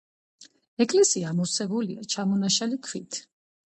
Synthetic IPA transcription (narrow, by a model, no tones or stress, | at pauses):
ɛkʼlɛsiamɔsɛbuliat͡ʃʰamɔnaʃalikʰvit̪ʰ